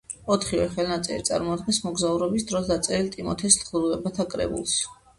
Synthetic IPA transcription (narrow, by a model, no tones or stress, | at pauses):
ɔt̪ʰχivɛ̰χɛlˠnat̪sʼɛ̰lḭt̪sʼa̰ɾmɔad̪̚ɡɛnsmɔɡzauɾɔbisd̪ɾɔsd̪at̪sʼɛɾilt̪ʼimɔ̰t̪ʰɛst̪χluvɛbat̪ʰakʼɾɛ̰bṵlˠs